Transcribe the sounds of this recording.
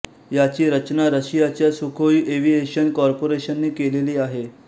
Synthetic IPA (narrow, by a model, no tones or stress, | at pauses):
jat͡ɕiːɾət͡ɕnaɾəɕijat͡ɕjasukʰojʔeʋiɦeɕənkɔɾpoɾeɕənːiːkeleliːaɦe